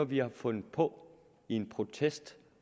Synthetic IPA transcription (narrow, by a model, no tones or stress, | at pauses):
ɐʋiɑ̈fɔ̽nð̩pʰɔ̽ | ie̝npʰʁo̝t͡sʰesd̥